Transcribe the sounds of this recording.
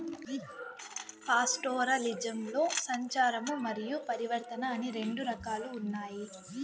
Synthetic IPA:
paːsʈoːɾɐlid͡ʒɐmlo̞ːsɐɲt͡ʃaːɾɐmumɐɾijupɐɾiʋɐɾt̪ɐnɐːniɾe̞ɳɖuɾɐkaːluːnːaːji

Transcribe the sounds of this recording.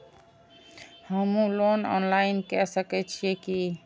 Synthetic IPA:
həmũlonɔ̰nlaɪnkɛsəkɛt͡ʃʰieki

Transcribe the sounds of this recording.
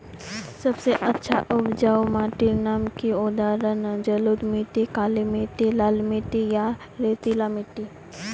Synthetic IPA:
sɐbseʔɐtːʃʰa̰ʔʊbd͡ʒawmaːʈinaːmkiʊd̪aːɾənd͡ʒəlud̪mit̪ikaːlimiʈilaːlmiʈ̪ija | ɾet̪ilamiʈi

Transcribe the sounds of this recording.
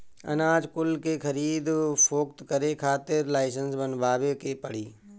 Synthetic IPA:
ɐ̰naːd͡ʒkʊlkekʰəɾiːd̪pʰoːk̚t̪kəɾekʰaːt̪ɪɾlaːɪsənsbənbaːbekepəɽ̤iː

